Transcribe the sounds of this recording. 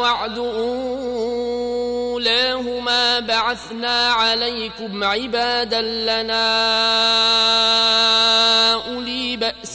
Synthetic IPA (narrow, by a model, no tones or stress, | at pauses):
ɑʕd̪ʊʔuː | laːhʊmaːbaʕaθnaːʕalajkʊmʕɪbaːd̪alanaː | ʔʊliːbaʔs